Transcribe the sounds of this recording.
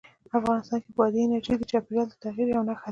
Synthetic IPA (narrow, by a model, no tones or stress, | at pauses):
afɣɑnɪst̪ɑnkebwɑd̪injat͡ʃid̪ət͡ʃɑpeɡald̪ət̪aɣiɾjawnaxa